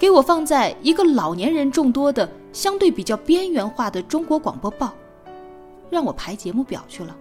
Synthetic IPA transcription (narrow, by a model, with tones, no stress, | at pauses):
ke˧˥ɪwɔ˨˩fɑ˥˧ŋt͡sa˥˩ɪi˧˥ɡə˧lɑ˨˩ʊnjɛ˧˥nɻə˧˥nʈ͡ʂʊ˥˩ŋt̪wɔ˥d̪ə˨ | ɕjɑ˥ŋt̪we˥˩ɪpi˨˩t͡ɕjɑ˥˩ʊpjɛ˥nɥɛ˧˥nxwa˥˩d̪ə˩ʈ͡ʂʊ˥ŋkwɔ˧˥kwɑ̰˨˩ŋpwɔ˥pɑ˥˩ʊ | ɻɑ˥˩ŋwɔ˨˩pʰa˧˥ɪt͡ɕjɛ˧˥mu˥˩pjɑ̰˨˩ʊt͡ɕʰy˥˩lə˩